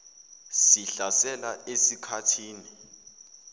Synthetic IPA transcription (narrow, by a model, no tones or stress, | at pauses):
siɬasɛlaʔesikʰatʰiːni